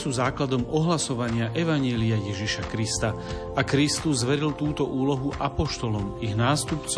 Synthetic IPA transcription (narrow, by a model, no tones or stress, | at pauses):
suːzaːklad̪ɔmɔɦlasɔʋaɲɪaʔɛʋaɲɪɛliajɛʒiʃakɾist̪a | akɾist̪uzːʋɛɾilt̪uːt̪ɔʔuːlɔɦuʔapɔʃt̪ɔlɔmiɣnaːst̪upt͡s